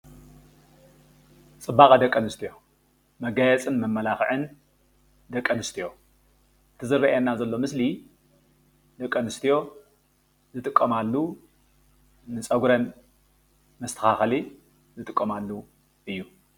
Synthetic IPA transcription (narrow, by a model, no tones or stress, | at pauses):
t͡sʼɨbːakʼɐd̪ɐkʼːɐnɨst̪ʰijo̞ | mɐɡajɛt͡sʼɨnmɐmːɐlaxʕɨn | d̪ɐkʼːɐnɨst̪ʰijo̞ | ɨt̪ʰɨzɨɾːɐʔenːazɐlːo̞mɨsli | d̪ɐkʼːɐnɨst̪ʰijo̞ | zɨt̪ʼɨkʼːɐmalːu | nɨt͡sʼɐɡɾɐn | mɐst̪ʰɐ̥xaxli | zɨt̪ʼɨkʼːɐmalːu | ʔɨjːu